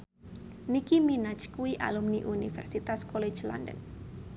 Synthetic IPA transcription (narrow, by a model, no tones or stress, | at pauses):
nikiminat͡ʃkuiʔa̰lumniʔunifɛ̰rsit̪askole̥d͡ʒla̰ndə̰n